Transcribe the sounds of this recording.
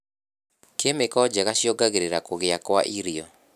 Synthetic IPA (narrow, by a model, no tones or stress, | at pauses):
kemekɔd͡ʒaɣaɕjɔɡaɣeɾeɾakoɣeakwa̰ʔiɾiɔ